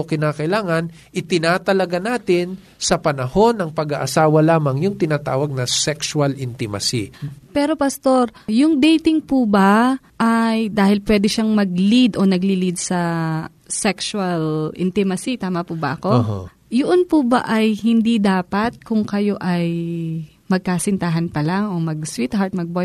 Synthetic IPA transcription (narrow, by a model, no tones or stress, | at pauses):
okɪnaːkɐʔɪlaːŋɐn | ʔɪt̪ɪnat̪ɐlɐɡanaːt̪ɪn | sɐpɐnɐho̞nɐŋpɐɡa̰ʔɐsaːwɐlaːmɐŋjʊŋt̪ɪnaːt̪aːwɐɡ̚nɐsɛksuɐlʔɪnt̪ɪma̰sḭpɛːɾo̞pɐst̪o̞ɾjʊŋd̪ɛjt̪ɪŋpubɐ | ʔajd̪aːhɪlpwɛd̪ɛʃaŋmɐɡ̚lid̪ʔo̞nɐɡlilid̪̚sɐ | sɛkswɐlʔɪ̰nt̪ɪmɐsit̪aːmɐpubɐ̰ʔɐko̞̰ | jʊʔonpubɐ̰ʔɐjhɪnd̪id̪aːpɐt̪̚kʊŋkɐjo̞ʔɐj | mɐɡ̚kaːsɪnt̪aɦɐnpɐlaŋʔo̞mɐɡswit̪haɹt̪̚mɐɡ̚boj